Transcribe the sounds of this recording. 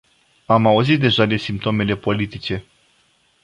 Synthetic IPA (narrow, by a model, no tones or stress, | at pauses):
amauzit̪̚d̪e̞ʒad̪e̞simp̚t̪o̞me̞le̞po̞lit̪it͡ʃe̞